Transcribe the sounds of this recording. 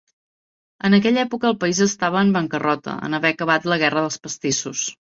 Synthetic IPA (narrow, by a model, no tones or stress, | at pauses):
ənəkɛʎɛpukəːlˠpəizəst̪aβəːmbəŋkərɔt̪ə̰ə̰nəβɛəkəβ̞at̪ləɣ̞ɛrəðəlˠspəst̪isus